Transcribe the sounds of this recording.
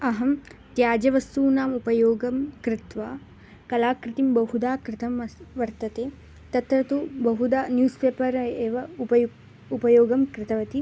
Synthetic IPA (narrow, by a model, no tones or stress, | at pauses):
ɐɦɐmt̪jaːd͡ʒɐʋɐst̪uːnaːmupɐjoːɡɐmkɾɪt̪ʋaː | kɐlaːkɾɪt̪imbɐhud̪aːkɾɪt̪ʰɐmɐʋɐɾt̪ɐt̪eː | t̪ɐt̪ɾɐt̪ubɐɦud̪aːnjuːspeːpɐɾɐeːʋɐupɐ | upɐjoːɡɐmkɾɪt̪ɐʋɐt̪i